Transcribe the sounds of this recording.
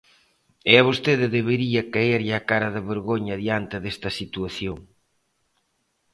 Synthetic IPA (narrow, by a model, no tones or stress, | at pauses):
eɐβost̪eðɪðeβeɾiɐkaeɾʎɪakaɾɐðɪβeɾɣoɲɐðjant̪ɪðest̪ɐsit̪uɐθjoŋ